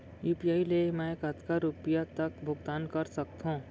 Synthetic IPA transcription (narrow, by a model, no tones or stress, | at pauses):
juːpijaːilemɛ̃kət̪kaɾupijat̪ɐkbʱʊɡt̪aːnkɐɾsɐk̚t̪ɦõː